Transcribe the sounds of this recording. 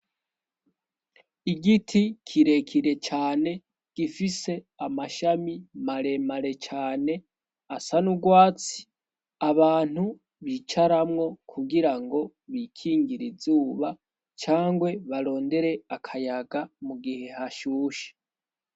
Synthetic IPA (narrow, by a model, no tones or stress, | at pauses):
iɡitʰikʰiɾe̞kʰiɾe̞t͡ʃaːne̞ | ɡ̥ifise̞ | amaʃamimaɾe̞maɾe̞t͡ʃaːne̞ | asanuɡwaːt͡si̥ | aβaːn̥u | βit͡ʃaɾamŋo̞kʰuɡiɾaŋɡo̞ | βikʰiːŋɡiɾizuːβa | t͡ʃaːŋɡwe̞βaɾo̞ːnde̞ɾe̞akʰajaɡamuɡihe̞haʃuːʃe̥